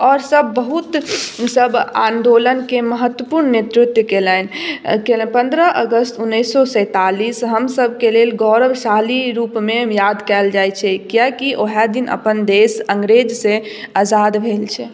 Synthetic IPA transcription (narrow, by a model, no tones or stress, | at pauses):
ɔːɾsəbːəɦut̪səbãnd̪olənkeməɦət̪wəpuɾnnet̪ɾɪt̪jəkelɛnkelɛnpə̃nd̪ɾəʔəɡəst̪unːəjsːɔsə̃t̪alisɦəmsəbʱkelelɡɔɾəʋsaliɾupmẽjad̪kɛld͡ʒajt͡ʃʰɛkijakiʔoɦɛd̪inʔə̰pənd̪esəŋɡɾed͡ʒse | azad̪bʱelt͡ʃʰɛ